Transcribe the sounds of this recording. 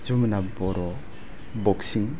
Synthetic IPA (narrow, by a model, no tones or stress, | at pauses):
d͡ʒumnabɔɾɔ | bɔksiŋ